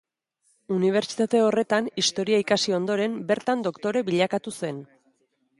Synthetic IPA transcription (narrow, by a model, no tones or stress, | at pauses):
uniβ̞e̞ɾt͡ʃi̥t̪at̪e̞o̞re̞t̪anist̪o̞ɾiaikasio̞nd̪o̞ɾe̞mbe̞ɾt̪and̪o̞kt̪o̞ɾe̞βiʎakat̪use̞n